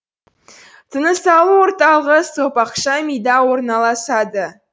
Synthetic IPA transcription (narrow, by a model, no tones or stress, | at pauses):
t̪ʰənəsɑlˠuwo̞ɾt̪ɑlˠəʁəsopɑqʃɑmijd̪ɑwo̞ɾnɑlˠɑsɑd̪ə